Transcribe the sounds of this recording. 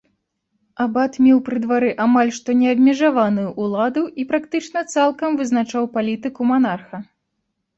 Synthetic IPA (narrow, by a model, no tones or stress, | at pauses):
abat̪mʲɛwpɾɨd̪vaɾɨʔamalʲʂt̪ɔnʲɛɐbʲmʲɛʐavanujuʔːlˠad̪uipɾakt̪ɨt͡ʂnɐt̪salˠkɐmvɨznat͡ʂawpalʲit̪ɨkumanarxɐ